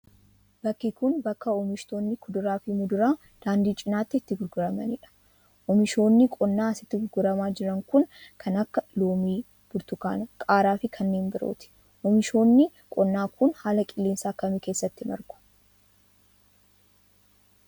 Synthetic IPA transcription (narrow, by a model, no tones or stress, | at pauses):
b̥ɐkːɪkʊnbɐkːɐɔmɪʃt̪oːnːɪkʰʊd̪ʊɾaːfɪmʊd̪ʊɾaː | d̪̥aːnd̪iːt͡ʃʼɪnaːt̪ːɪːt̪ːɪɡʊɾɡʊɾɐmɐnɪᶑɐ̥ | ʔɔmɪʃo̞ːnːɪkʼɔnːaːɐsɪt̪ːɪɡʊɾɡʊɾɐmaːd͡ʒɪɾɐŋkʊnkʰɐnɐkːɐloːmiː | b̥ʊɾt̪ʊka̰ːnɐkʼaːɾaːfɪkʰɐnːeːnbɪɾo̰ːt̪ɪ̥ | ʔɔmɪʃo̞ːnːɪ | kʼɔnːaːkʰʊnhaːlɐkʼɪlːeːnsaːkːɐmɪke̞ːsːɐt̪ːɪmɐ̰ɾɡʊ̥